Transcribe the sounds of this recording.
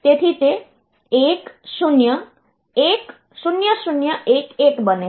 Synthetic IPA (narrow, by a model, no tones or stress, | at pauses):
t̪et̪ʰit̪e | eksunjʌ | ek | sunjəsunjʌʔekekbəne